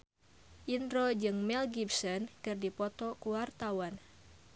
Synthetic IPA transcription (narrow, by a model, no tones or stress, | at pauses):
ʔindɾɔd͡ʒɨŋmɛlɡibsɔnkɨrdipɔt̪ɔkuwart̪awan